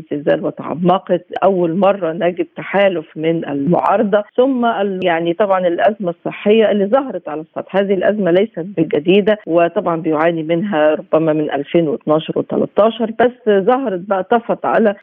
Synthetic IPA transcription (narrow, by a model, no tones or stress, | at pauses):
zezæ̰ːlwæt̪aʕa̰mːɑqet̪ʔæwːælmɑrˤːɑnæːɡɪb̚t̪aħaːlofmɪnʔɪ̰lmo̰ʕɑ̰ːɾˤɑd̪ˤɑsʊmːæʔljaʕnit̪ˤɑbʕɑnɪlʔæzmæsˤːɨħːejːæʔɪlːiːzˤɑɦɑɾˤɑt̪ʕalæsˤːɑ̰t̪hæːðihilʔæzmælæjsæt̪̚bɪɡæd̪iːd̪æwet̪ˤɑbʕɑnbejoʕaːnimɪnɦæɾˤobːæmæmɪnʔæ̰lfeːnwet̪nɑːʃɑɾˤwet̪æ̰lɑ̰t̪ˤːɑːʃɑɾˤbæsːzˤɑɦɑɾˤɑbæʔt̪ɑfɑt̪ʕa̰læ